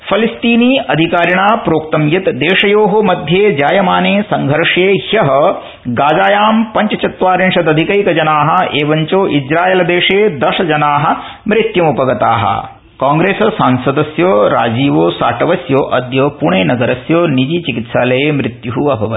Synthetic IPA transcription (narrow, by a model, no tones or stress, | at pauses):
pʰɐlist̪iːniːɐd̪ʱikaːɾjɐɳaːpɾoːkt̪ɐmjɐt̪d̪eːʂɐjoːɦɐmɐd̪ʱjeːd͡ʒaːjɐmaːneːsɐŋɡʱɐɾʂeːhjɐɦɐ̆ | ɡaːd͡ʒaːjaːmpɐɲt͡ʃɐt͡ʃɐt̪ʋaːɾinʂɐd̪ɐd̪ʱikɐjkɐd͡ʒɐnaːɦɐ̆eːʋɐɲt͡ʃoːʔid͡ʒɾaːjeːlɐd̪eːʂeːd̪ɐʃɐd͡ʒɐnaːɦɐ̆ | mɾit̪jɐmupɐɡɐt̪a̰ːɦɐ̰ | kaːŋɡɾeːsɐsaːnsɐd̪ɐsjoːɾa̰ːd͡ʒiːʋoːsaːʈɐʋɐsjoːʔɐd̪jɐːpuɳeːnɐɡɐɾɐsjoːnid͡ʒiːt͡ʃikit̪ʃaːlɐjeːmɾit̪juɦuɐbʱɐʋɐ